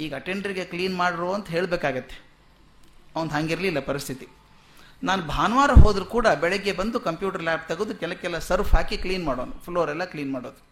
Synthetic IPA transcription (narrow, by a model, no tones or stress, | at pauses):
iːɡɐɐʈeɳɖɐɾiɡe̞kliːnmaːɽiɾoːɐnt̪ɐɦe̞ːɭbeːkaːɡɐt̪ːe̥ | ɐʋɐnd̪ɦaːŋɡiɾɐlilːɐpɐɾist̪ʰit̪i | naːnubʱaːnɐʋaːɾɐɦoːd̪ɾukuːɽɐbɛɭɛɡːe̞bɐnd̪ukɐmpjuːʈɐɾlʲaːp̚t̪ɐɡoːd̪ukɛlɐkːɛlːɐsɐɾfʰɦaːkikliːnmaːɽoːnupʰloːɾɛlːɐkliːnmaːɽoːd̪u